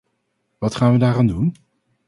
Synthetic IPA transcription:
ʋɑtχaːnʋədaːraːndun

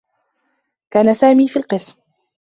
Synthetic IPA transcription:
kaːnasaːmiːfiːlqɨsm

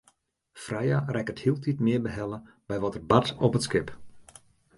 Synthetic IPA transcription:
frɛjarɛkəthiəlˠtʰitmɪəbəɦɛlə | bɛjʋɔtərbatɔpətskɪp

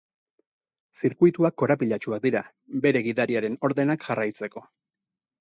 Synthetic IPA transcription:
siɾkujt̪uakːo̞ɾapiʎat͡ʃuak̚d̪iɾa | be̞ɾe̞ɣiðaɾiaɾe̞no̞ɾðe̞nakʝarajt͡se̞ko̞

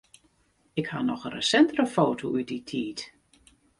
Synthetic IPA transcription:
ɪkhanɔxərə̰sɛntərəfoːtoʔyditʰiːt

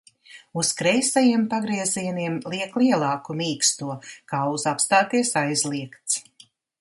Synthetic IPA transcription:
uskɾɛjsajiɛmpaɡɾiɛziɛniɛmliɛklˠiɛlˠɑːkumiːkst̪uɔkaːuzapst̪aːt̪iɛsajzliɛkt̪s

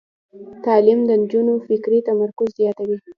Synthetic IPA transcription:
t̪ɑlimd̪ənd͡ʒunofɪkɾit̪amaɾkʊzzjɑt̪awi

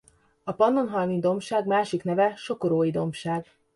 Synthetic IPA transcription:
ɒpɒnːo̞nɦɒjnid̪o̞mʃaːɡmaːʃikn̪ɛvɛʃo̞koɾoːjid̪o̞mʃaːɡ

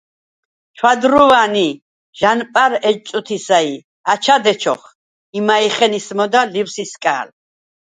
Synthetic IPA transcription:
t͡ʃʰwad̪ɾuvani | ʒ̥anpʼaɾɛt͡ʃʼut̪ʰisai | at͡ʃʰad̪ɛt͡ʃʰɔ̰χ | imaiχɛnismɔd̪aliwsiskʼa̰ːl

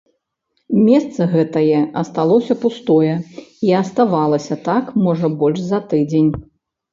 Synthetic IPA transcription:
mʲɛst̪sɐɣɛt̪ɐjɛʔɐst̪alˠɔsʲɐpust̪ɔjɛiɐst̪avalˠɐsʲɐt̪akmɔʐɐbɔlʲʂzɐt̪ɨd͡zʲenʲ

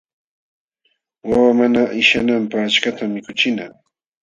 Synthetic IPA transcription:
wawamanaʔɪʃanampaχat͡ʃkat̪amːɪkʊt͡ʃɪna

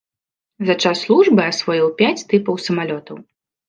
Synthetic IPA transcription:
zɐt͡ʂasːlˠuʐbɨasvɔjiwpʲat͡sʲt̪ɨpɐwsɐmalʲɔt̪ɐw

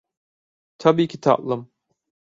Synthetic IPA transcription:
t̪ʰabiːcʰit̪ʰa̰ʔlˠɯm

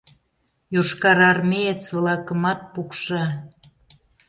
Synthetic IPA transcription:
juʃkɑɾɑrmeett͡sβəlɑkə̆mɑt̪̚pukʃɑ

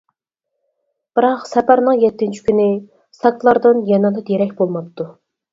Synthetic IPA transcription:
b̥ɨɾɑqsɛpæɾnɨŋjɛt̪ːɪnt͡ʃʰi̥kʲynɪ | sɑk̪̚lˠɑɾd̪ɨnjɑnɑd̪ɑd̪eɾɛkʲbolˠmɑp̚t̪ʰːu

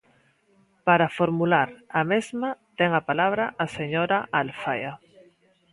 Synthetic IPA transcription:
paɾafoɾmulaɾamezmat̪eŋapalaβ̞ɾaʔaseɲoɾaʔalfaja

